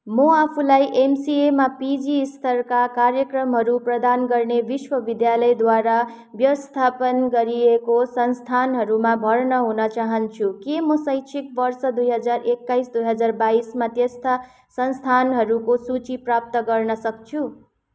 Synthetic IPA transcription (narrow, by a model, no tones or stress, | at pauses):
mʌapʰulajʔemsiemapid͡ziːst̪ʰʌrkakarjʌkrʌmɦʌɾuprʌd̪anɡʌrnebiswʌbid̪jalʌjd̪waɾa | bjʌwʌst̪ʰapʌnɡʌɾijekosʌnst̪ʰanɦʌɾumabʱʌrnʌɦunʌt͡saɦʌnt͡sʰukemʌsʌjt͡sʰikbʌrsʌd̪ujɦʌd͡zarekːajsd̪ujɦʌd͡zarbaismat̪jest̪a | sʌnst̪ʰanɦʌɾukosut͡siprap̚t̪ʌɡʌrnʌsʌk̚t͡sʰu